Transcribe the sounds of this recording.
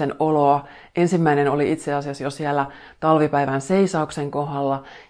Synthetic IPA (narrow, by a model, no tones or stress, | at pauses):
enoloɑ | ʔensimːæinenoliit̪seɑsiɑsjosiælːæ | t̪ɑlʋipæiʋænseisɑukseŋkoɦɑlːɑ